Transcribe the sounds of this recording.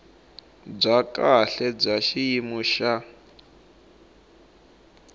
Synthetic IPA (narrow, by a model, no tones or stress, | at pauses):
b͡ʐakʼaɬɛb͡ʐaʃijimuʃa